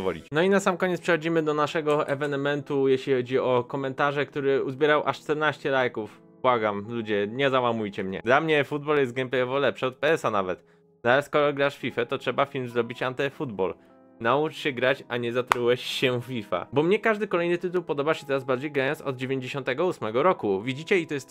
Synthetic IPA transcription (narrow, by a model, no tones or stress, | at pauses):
vɔ̰lʲḭt͡ɕnɔinasamkɔɲɛt̪pʂɛxɔd͡ʑimɘd̪ɔnaʂɛɡɔʔɛvɛnɛmɛnt̪ujɛɕlʲixɔd͡ʑiɔkɔmɛnt̪aʐɛkt̪uɾɘuzbʲɛɾawʔaʂt͡ʂt̪ɛɾnaɕt͡ɕɛlajkuf | b̥waɡamlud͡ʑɛɲɛzawamujt͡ɕɛmɲɛ̰d̪lamɲɛfud̪̚bɔljɛst̪ɡɛmpʲajɔvɔlɛpʂɛɔt̪̚pɛɛsanavɛt̪ | naɛskɔɾɔɡɾaʂfʲifɛt̪ɔtʂɛbafʲilmzɾɔbʲit͡ɕant̪ɛfud̪bɔ̰l | naut͡ʂɕɛɡɾat͡ɕaɲɛzat̪ɾuwɛɕɕɛfʲifa̰bɔmɲɛkaʐd̪ɘkɔlɛjnɘt̪ɘt̪uwpɔd̪ɔbaɕɛt̪ɛɾazbaɾd͡ʑejɡɾajɔnsɔd̪̚d͡ʑevʲjeɲd͡ʑeɕɔ̃nt̪ɛɡɔusmɛɡɔɾɔkuvʲid͡ʑit͡ɕɛit̪ɔjɛst̪